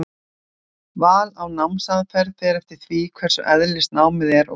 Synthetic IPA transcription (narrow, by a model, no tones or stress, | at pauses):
vaːlawnamsaðfɛɾðfɛɾɛft̪ɪɾ̥θvikʰvɛr̥sʏ̰ʔɛðɾlɪst̪naːwmɪðɛɾɔ̰